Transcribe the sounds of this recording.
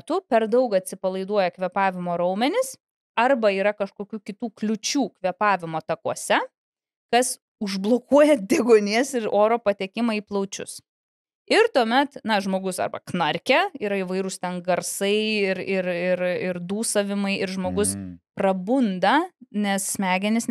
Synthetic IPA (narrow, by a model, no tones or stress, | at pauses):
t̪upʲɛɾd̪ɐʊkɐt̪ʲsʲɪpɐlˠɐɪd̪uɔjɛkʋʲɛpɑːʋʲɪmoːɾɐʊmʲɛnʲɪs | ɐrbɐiːɾɐkɐʃkoːkʲuːkʲɪt̪uːklʲʊt͡ʃʲuːkʋʲɛpɑːʋʲɪmoːt̪ɐkuɔsʲɛ | kɐs | ʊʒblˠoːkuɔjɛd̪ʲeːɡoːnʲiɛsɪɾoːɾoːpɐt̪ʲɛkʲɪmɐiːplˠɐʊt͡ʃʲʊ̰s | ɪɾt̪uɔmʲɛt̪nɐʒmoːɡʊsɐ̰rbɐ̰knɐɾʲkʲɛiːɾɐɪʋɐɪɾʊst̪ʲɛnɡɐrsɐɪɪɾɪɾɪɾɪɾd̪uːsɐʋʲɪmɐɪʔɪɾʒmoːɡʊsprɐbʊnd̪ɐnʲɛsːʲmʲæːɡʲɛnʲɪs